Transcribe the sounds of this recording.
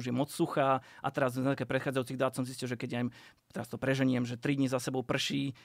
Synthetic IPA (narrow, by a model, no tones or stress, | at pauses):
uʒjɛmɔt͡ssuxaːʔa̰t̪ɛɾaznat̪akapɾɛt̪xaːd͡zajuːt͡siɣd̪aːt̪sɔmziscilʒɛkɛɟajm | t̪ɛɾast̪ɔpɾɛʒɛɲɪɛmʒɛt̪ɾid̪ɲizasɛbɔʊpr̩ʃiː